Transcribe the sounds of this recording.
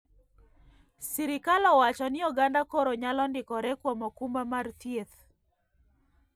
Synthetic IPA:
siɾɪkalɔwat͡ʃɔnɪɔɡandakoɾoɲalɔndɪkɔɾɛkwɔmɔkumbamartjet̪

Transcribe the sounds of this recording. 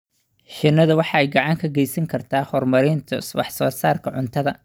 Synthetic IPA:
ʃɪnːɐðɐwɑħɑɛjɡɑʕɑŋkʰɐɡɛjsɐŋkʰɐrt̪ʰaːhɔrmɐɾɪnt̪ʰɐ̰wɑ̰ħsɔːsaːrkʰɐʕʊnt̪ʰɐðɐ

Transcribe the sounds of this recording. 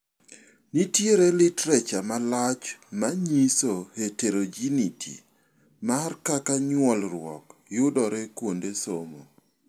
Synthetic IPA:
nitjeɾelɪtɾɛt͡ʃamalat͡ʃmaɲisoheteɾod͡ʒinitʰḭ | markakaɲwɔlɾwɔ̰kjʊdɔɾɛkwondesomo

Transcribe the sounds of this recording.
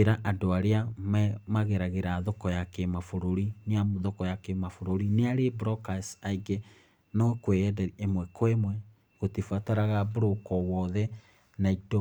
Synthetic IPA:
eɾaʔadoaɾeamɛmaɣeɾaɣeɾaðɔkɔjakemafoɾoɾineamoðɔkɔjakemafoɾoɾineaɾebɾɔkasaiɡe | nɔkwejɛdɛɾiemwɛkwemwɛ | ɣotifwataɾaɣaboɾokɔwɔðɛ | naito

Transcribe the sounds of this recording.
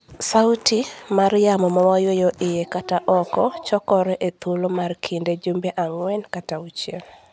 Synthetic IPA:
sawtimarjamɔmɔwɔjwejoʔɪjekataʔɔkɔt͡ʃɔkɔɾɛʔet̪ʰulomarkʰinded͡ʒombeʔaŋwɛnkataut͡ʃjel

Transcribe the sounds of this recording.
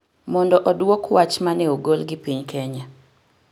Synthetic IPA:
mɔndɔʔɔdwokwat͡ʃmanɛoɡolɡɪpiɲkʰɛɲa

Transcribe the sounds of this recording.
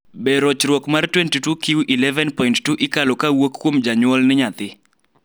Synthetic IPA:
bɛɾɔt͡ʃɾwɔkmartwɛntitukiwʔilɛvɛnpɔinttuʔɪkalɔkawokːwomd͡ʒaɲʊwɔlnɪɲat̪ɪ

